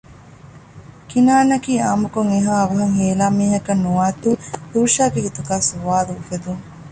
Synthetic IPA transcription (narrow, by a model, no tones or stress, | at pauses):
kinaːnːɐkiːaːmukuŋeɦaːɐʋɐɦɐŋɦeːlaːmiːɦɐkɐnːuʋaːt̪ud̪uːʃaːɡeɦit̪uɡaːsuʋaːluːfed̪uŋ